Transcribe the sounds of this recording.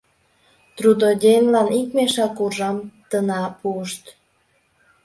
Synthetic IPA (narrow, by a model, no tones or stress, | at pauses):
t̪rud̪odʲenlɑnikmeʃɑkurʒɑmt̪ənɑpuəʃt̪